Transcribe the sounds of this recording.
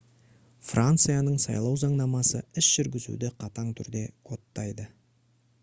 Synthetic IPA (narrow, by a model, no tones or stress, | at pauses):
frʔant̪sɨjanəɴsɑ̰jlˠɑwʒɑɴnɑmɑsəɪsʒ̥ʏɾɡʲɪzṵd̪ɪqʰɑt̪ɑɴt̪ʰʏɾd̪e̞kʰo̞t̪ːɑjd̪ə